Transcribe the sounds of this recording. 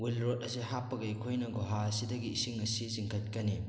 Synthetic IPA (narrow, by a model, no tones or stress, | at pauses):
wilɾot̚ɐsiɦapːɐɡɐikʰojnɐɡoɦasidɐɡiisiŋɐsiziŋkʰɐt̚kɐni